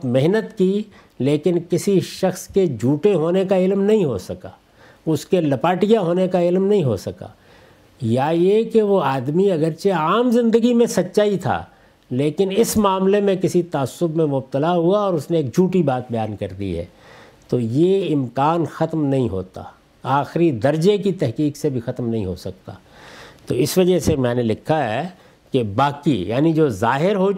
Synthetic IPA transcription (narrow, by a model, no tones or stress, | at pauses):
mɪɦnət̪ki | leːkɪnkɪsiʃɐxsked͡ʒʱuːʈeɦoːnekaɪlmnɐɦĩɦo̰sɐka̰ː | ʊskelɐpaːʈijaɦoːnekaɪlmnɐɦĩɦo̰sɐka̰ː | jajekeʋoaːd̪miɐɡəɾt͡ʃeaːmzɪ̃nd̪əɡimẽsɐtːʃaːit̪ʰa̰ː | leːkɪnɪsmaːmlemẽkɪsit̪aːəsːʊbmẽmʊb̚t̪əlaɦuaɔːɾʊsneeːk̚d͡ʒʱuːʈibaːt̪̚bɐjaːnkɐɾd̪ḭɦɛ̰ː | t̪oːjeɪmkaːnxɐt̪mnɐɦĩɦo̰ːt̪a̰ | aːxɪɾid̪ɐɾd͡ʒekit̪ɛɦkiːksebʱixɐt̪mnɐɦḭ̃ɦo̰sɐk̚t̪a̰ː | t̪oːɪsʋɐd͡ʒəɦsemɛ̃ːnelɪkʰːaɦɛ | kebaːkija̰ːnid͡ʒoːzaːɦɪɾɦoː